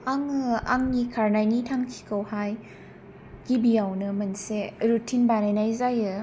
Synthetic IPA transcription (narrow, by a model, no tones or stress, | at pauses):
aŋɯaŋnikʰaɾnajnitʰaŋkʰi̥kʰɯwhaj | kibijawnɯmɯnseɾutʰinbanajnajzajɯ